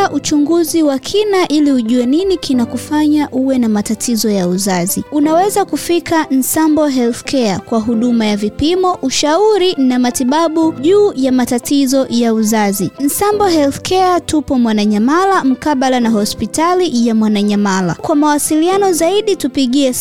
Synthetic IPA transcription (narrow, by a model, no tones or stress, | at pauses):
ʔut͡ʃuŋɡuziwakʰinaʔiliuʄuwɛninikinakufaɲaʔuwɛnamatatʰizɔjauzaziunawɛzakufikʰan̩sambɔɦɛlθkʰɛakwaɦuɗumajavipimɔʔuʃauɾinamatiɓaɓuʄuːjamatatizɔjauzazin̩sambɔɦɛlθkʰɛatupɔmwanaɲamalam̩kaɓalanaɦɔspitalijamwanaɲamala̰kwamawasilianɔzaiɗitupiɠiɛ